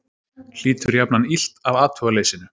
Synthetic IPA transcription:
l̥iːt̪ʏɾjapnanil̥t̪avaːt̪hœɣaleːjsɪnʏ

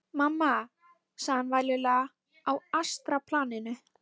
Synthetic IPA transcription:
mamːa | saːanvaːjlɪla | awast̪ɾapʰlaːnɪnʏ

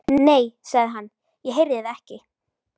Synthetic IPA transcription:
neːjsaɣðɪɦanː | jɛɦejɾðɪɪðɛhcɪ

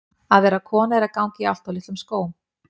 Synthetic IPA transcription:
aðvɛːɾakʰɔːnaɛɾakawɲcɪa̰l̥t̪awlɪht̪ʏmskoːwʏm

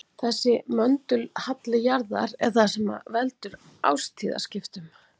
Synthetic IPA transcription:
θɛsːɪmœnt̪ʏlhat̪lɪjaɾða̰ɾɛ̰ɾ̥θasɛma̰vɛlt̪ʏɾ | a̰ːwst̪ʰiːða̰scɪft̪ʏm

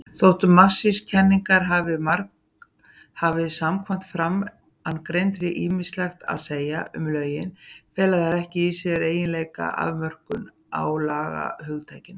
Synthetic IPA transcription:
θowht̪ʏmːasːɪscʰɛnːiŋkaɾɦavɪmark | havɪsamkʰvan̥t̪fɾam | ankɾejnt̪ɾɪʔiːmislɛxt̪a̰ðseːjaʔʏ̰mlœːɥjɪnfɛːlaðaɾɛhcɪisɛɾeːjɪnlejka̰ʔa̰vmœr̥kʏn | a̰wlaːɣa̰hʏɣt̪ʰajcɪn

